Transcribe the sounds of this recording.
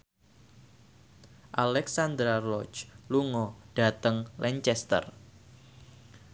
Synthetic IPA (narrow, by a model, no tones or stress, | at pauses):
ʔalɛksand̪ɾarɔt͡ʃluŋɔɖ̥at̪əŋlʔɛɲt͡ʃɛst̪ə̰r